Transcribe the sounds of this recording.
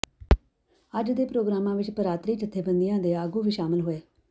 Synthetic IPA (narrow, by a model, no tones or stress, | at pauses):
əd͡ʒd̪eːpɾoːɡɾaːmãːʋɪt͡ʃpəɾaːt̪ɾiːt͡ʃət̪ʰːeːbə̃nd̪ijãːd̪eːaːɡuːʋiːʃaːmɪlɦoːeː